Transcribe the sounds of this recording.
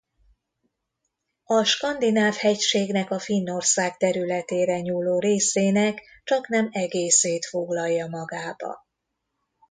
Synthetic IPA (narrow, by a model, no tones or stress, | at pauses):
ɒʃkɒnd̪inaːvhɛcʃeːɡnɛkɒfinːo̞rsaːkt̪ɛɾylɛt̪eːɾɛɲuːlːoːɾeːseːnɛk | t͡ʃɒknɛmɛɡeːseːt̪fo̞ɡlɒjːɒmɒɡaːbɒ̰